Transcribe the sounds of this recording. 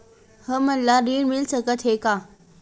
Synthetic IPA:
həməlːaɾiːɽmɪlsəɡət̪ʰɦeːkaː

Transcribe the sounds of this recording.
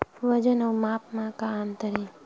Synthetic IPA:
ʋɐd͡ʒənəumaːpmãkaːnt̪əɾiː

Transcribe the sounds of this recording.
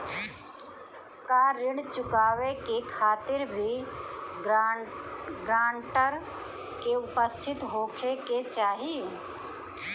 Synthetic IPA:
kaːɾɪɽt͡ʃʊkaːʋekekʰaːt̪ɪɾbʱi | ɡɾaːɳʈəɾ | keʊpəst̪ʰɪt̪ɦoːkʰeket͡ʃaːɦi

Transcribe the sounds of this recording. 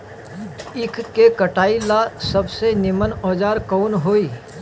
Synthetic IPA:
ɪkʰkekəʈaːilasəbsenɪmənɔːd͡ʒaːɾkɔːnɦoːiː

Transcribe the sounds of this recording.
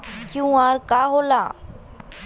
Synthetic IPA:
kjũːaːɾkaɦolaː

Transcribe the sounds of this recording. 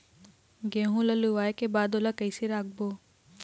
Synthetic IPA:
ɡẽːɦũlɐluʋaːjkebaːd̪oːlakəjsiɾaːɡ̚boː

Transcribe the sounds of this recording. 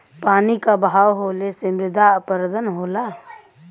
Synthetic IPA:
paːnikabaːwɦoːlesemɾɪd̪aəpəɾd̪ʱənɦoːla

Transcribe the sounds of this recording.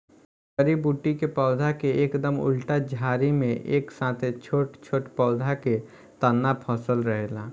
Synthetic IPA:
kəɾibuːʈikepɔʊd̪ʱakeeːkd̪əmʊ̰lʈad͡ʒʱaːɾimẽʔeːksãːt̪ʰet͡ʃʰoːʈt͡ʃʰoːʈpɔːd̪ʱake | t̪ənːapʰɔːsəlɾəɦelaː

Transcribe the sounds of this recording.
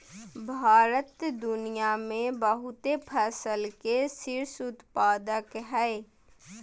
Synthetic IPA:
bʱaːɾət̪d̪ʊnijamẽbəɦʊt̪epʰɛsəlkesɪɾsʊt̪paːd̪əkɦɛː

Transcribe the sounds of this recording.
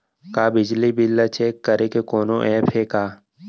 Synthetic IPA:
kaːbɪd͡ʒlibɪlːat͡ʃeːkːəɾekekɔːnõʔɛːpʰekaː

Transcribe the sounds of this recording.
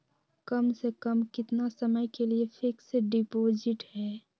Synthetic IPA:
kəmsekəmkɪt̪nasəməjkeliefʰɪkseɖɪpoːzɪʈɦɛː

